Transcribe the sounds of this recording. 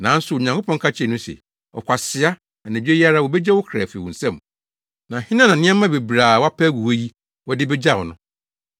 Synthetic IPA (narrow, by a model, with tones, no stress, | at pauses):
nã˨˦n̩˦sʊ˨ɲã˨ŋkʰo˦pʰɔ̃˦ŋ˦kʰa˦t͡ɕʰɪ˦ɛ˨nʊ̃˦sɛ̰˨ | ɔ̰˨kʷʰa˨sɪ˨a˦ | a˨næ̃˨d͡ʑᶣe˦ja˦ɾa˦˨wɔ˨be˦d͡ʑɛ˦wʊ˦kʰɾa˨fwɔ̃˨n̩˨sɛ̃˦m | nã˨hɪ̃˦nã˦nã˨nɪ̃˦ã˦mã˦be˨bɾaː˨wa˦pʰæ˦ɡu˨wo˦ji˦ | wɔ˦dɪ˦bɛ˦d͡ʑa˦˨wɔ˨nʊ̃˦